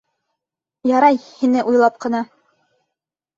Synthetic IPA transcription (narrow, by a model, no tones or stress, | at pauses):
jɑɾɑjhinɘʔujlˠɑp̚qɤ̆nɑ